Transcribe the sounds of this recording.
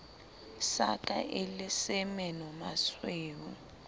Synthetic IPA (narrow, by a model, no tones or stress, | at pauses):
sakʼa̰ʔelɪsɛmɛnɔmasweːwu